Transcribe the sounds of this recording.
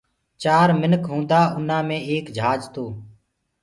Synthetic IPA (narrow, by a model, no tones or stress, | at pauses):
t͡ʃaːɾmɪnkɦũːnd̪aːʊn̤ãːmẽːeːkd͡ʒʱaːd͡ʒt̪oː